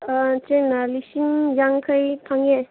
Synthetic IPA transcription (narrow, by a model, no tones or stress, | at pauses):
tenalisinjaŋkʰəjpʰaŋe